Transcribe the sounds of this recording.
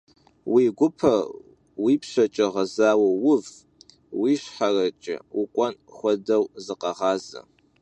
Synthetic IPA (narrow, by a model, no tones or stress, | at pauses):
wiːɡʷʊpʰɐ | wipʰʃʷat͡ʃʼɐʁazaːwawʊv | wiʃħarat͡ʃʼɪ̰ukʷʼanχʷɔdɐwzɨqʼɑʁaːzɐ̰